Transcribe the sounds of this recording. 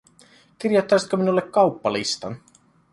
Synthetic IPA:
k̟irjot̪ːɑjsit̪køminulːekːɑwpːɑlist̪ɑn

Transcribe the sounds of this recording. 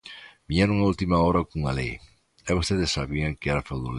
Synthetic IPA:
miɲanuŋault̪imaɔɾakuŋa̰lḛj | ɛβost̪eðɪssaβiaŋkɪɛɾafawðol

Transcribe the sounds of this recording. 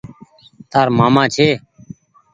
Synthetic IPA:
t̪aːɾmaːmãːt͡ʃʰeː

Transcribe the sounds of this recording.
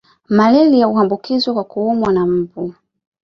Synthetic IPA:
malɛlijauhambukizwɔkwakuumwanam̩vu

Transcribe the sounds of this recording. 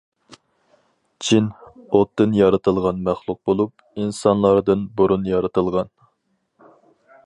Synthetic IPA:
t͡ʃʰinot̪ːɨnjɑɾɨt̪ʰɨlˠʁɑnmæχlˠuq̚bolˠup̚ | insɑnlˠɑɾd̪ɨnbuɾunjɑɾɨt̪ʰɨlˠʁɑn

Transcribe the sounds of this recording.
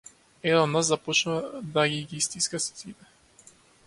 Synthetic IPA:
ɛd̪d̪naszapɔt͡ʃnuvad̪aɡiɡiist̪iskasi̥t̪vit̪ɛ

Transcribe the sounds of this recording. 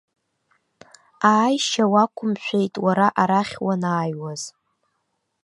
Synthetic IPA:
aːjʃawakʷʰʊmʃʷᶣejtʼwaɾaʔaɾaχʲwanaːjwaz̥

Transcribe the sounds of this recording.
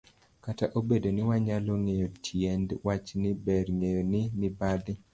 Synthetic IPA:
kataʔobedonɪwaɲaloŋejotʰjɛndwat͡ʃnɪbɛɾŋejonɪnɪbad̪ɪ

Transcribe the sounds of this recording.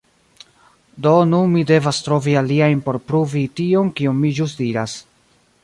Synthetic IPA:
do̞nunmide̞vastɾo̞vialiajnpo̞ɾpɾuvitio̞nkionmid͡ʒustdiɾas

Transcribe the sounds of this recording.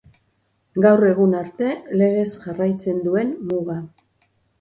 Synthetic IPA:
ɡawre̞ɣunaɾt̪e̞le̞ɣ̞e̞sʝarajt͡se̞nd̪ue̞nmuɣa

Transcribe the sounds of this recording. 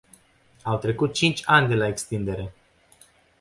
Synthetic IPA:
awt̪ɾe̞kut̪̚t͡ʃint͡ʃʲanʲd̪e̞lae̞kst̪ind̪e̞ɾe̞

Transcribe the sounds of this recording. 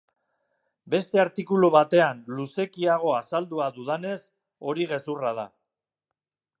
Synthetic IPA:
be̞st̪e̞aɾt̪ikuluβat̪e̞anluse̞kiaɣ̞o̞asald̪uaðuðane̞s | o̞ɾiɣe̞surað̞a̰

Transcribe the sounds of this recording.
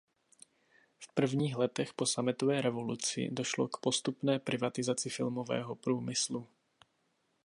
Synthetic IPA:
fpr̩vɲiːɣlɛt̪ɛxposamɪt̪ovɛːɾɛvolut͡sɪ̰doʃlokpost̪upnɛːpɾɪvat̪ɪzat͡sɪfɪlmovɛ̰ːɦɔpɾuːmɪslu

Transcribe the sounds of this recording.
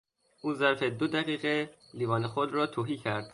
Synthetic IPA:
ʔuːzæɾfed̪od̪æʁiːɣe | liːvɒːnexod̪ɾɒːt̪ʰoɦiːcʰæɾd̪̥

